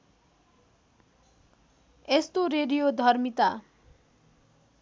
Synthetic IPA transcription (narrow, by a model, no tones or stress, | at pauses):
est̪oɾeɖijod̪ʱʌrmit̪a